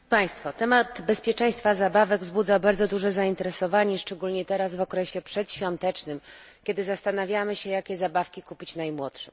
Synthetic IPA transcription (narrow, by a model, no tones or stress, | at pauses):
paj̃st̪fɔt̪ɛmad̪bɛspʲjɛt͡ʂɛ̃j̃st̪fazabavɛɡvzbud̪zabaɾd̪zɔd̪uʐɛzaint̪ɛɾɛsɔvaɲɛʂt͡ʂɛɡulɲɛt̪ɛɾazvɔkɾɛɕɛpʂɛt̪ɕfʲjɔnt̪ɛt͡ʂnɘmkʲɛd̪ɘzast̪anavʲjamɘɕɛjakʲɛzabafkʲikupʲit͡ɕnajmwɔtʂɛ